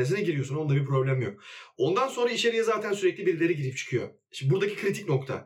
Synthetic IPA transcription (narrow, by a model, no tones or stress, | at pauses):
esinɛɟiɾijosuno̞nd̪abiɾpʰɾo̞blʲæmjo̞k̚o̞nd̪anso̞nɾaiʃeɾijɛzaːt̪ʰænsyɾɛclʲibiɾilʲe̞ɾiɟiɾip̚t͡ʃʰɯ̥kʰɯjo̞̰ | ʃbuɾd̪acʰi̥kʰɾit̪ʰicno̞kt̪ʰa̰